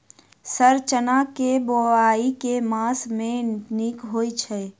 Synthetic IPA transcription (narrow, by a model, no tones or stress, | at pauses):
səɾt͡ʃənakeboaːikemãːsmẽnɪkɦoːit͡ʃʰɛ